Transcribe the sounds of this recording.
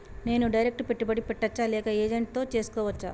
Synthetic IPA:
ne̞ːnuɖɐjɾek̚ʈpeʈːubɐɽipɛʈːɐt͡ʃːaːlɛːkɐeːd͡ʒeɳʈ̚t̪o̞ːt͡ʃe̞ːsu̥kɔːʋɐt͡ʃːa̰ː

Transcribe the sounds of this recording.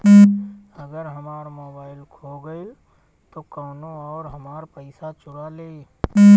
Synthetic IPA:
əɡəɾɦɐmaːɾmoːbaːɪlkʰoɡəil | t̪oːkaːnõɔːɾɦɐmaːɾpəɪsat͡ʃʊɾaleː

